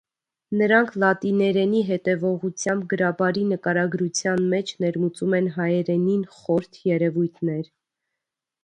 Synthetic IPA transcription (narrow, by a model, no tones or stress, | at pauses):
nəɾɑŋkʰlɑt̪inɛɾɛniɦɛt̪ɛvɔʁut͡sʰjɑmb̚ɡəɾɑbɑɾinəkɑɾɑɡɾut͡sʰjɑnmɛt͡ʃʰnɛɾmut͡sumɛnɦɑjɛɾɛninχɔɾt̪ʰjɛɾɛvujt̪ʰnɛɾ